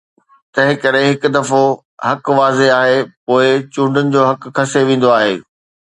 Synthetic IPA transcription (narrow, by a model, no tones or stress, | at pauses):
t̪ɐ̃ɦɪ̃kɐɾeɦɪkʊd̪ɐfo | hɐkʋaːzeaːɦepoːɪt͡ɕũːɳɖənɪ̆d͡ʑoːɦɐkkːɐseʋẽːn̆d̪oaːɦḛː